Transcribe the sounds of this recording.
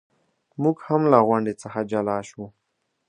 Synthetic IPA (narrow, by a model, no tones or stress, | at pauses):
muɡhamlaɣwaɳɖet͡səxad͡ʒalɑʃu